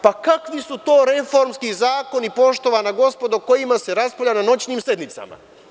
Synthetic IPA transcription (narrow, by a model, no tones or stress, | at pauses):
pakakʋisut̪o̞ːɾe̞fo̞ɾmskizaːko̞nipo̞ʃt̪o̞ʋanaɡo̞spo̞d̪oko̞jimase̞ɾaspoʎʲanano̞t͡ɕniːmse̞d̪nit̪sa̰ma̰